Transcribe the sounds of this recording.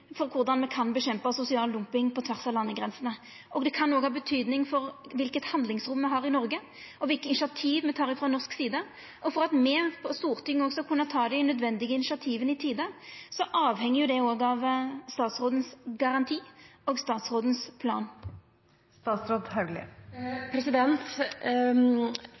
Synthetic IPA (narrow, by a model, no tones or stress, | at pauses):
fɔʁkʰʊʁd̪ɑnmɛkʰɑnbəɕɛmpəsʊsɪɑːld̪ʊmpɪŋpʰɔt̪ʰʋæʁsɑlɑnːəɡɾɛnsənə | ʔɔɡd̪ɛkʰɑnːoːɡhɑːbət̪ʰyːd̪nɪŋfɔʁʋɪlkət̪hɑnd̪lɪŋsɾʊmːɛɦɑʁɪnɔʁɡə | ɔʋɪlkəɪnʂɑt̪ʰiːʋmɛt̪ʰɑːʁɪfʁɑnɔʁsksiːd̪ə | ʔɔfɔʁɑt̪mɛpʰɔst̪uːʁt̪ʰʏŋːɔɡsɔkʰʉnːət̪ʰɑːd̪ɛnœd̪ʋɛnd̪ɪɡəɪnɪʂɑt̪ʰiːʋənɪt̪ʰiːd̪əsɔʔɑːʋhɛŋːəjʊd̪ɛoːɡɑʋst̪ɑːt̪sʁoːd̪n̩sɡɑʁɑnt̪ʰiːɔːɡst̪ɑːt̪sʁoːd̪n̩spʰlɑ̰ːn | st̪ɑːt̪sɾoːd̪hɑʉɡlɪ̰pʰɾɛsɪd̪ɛnt̪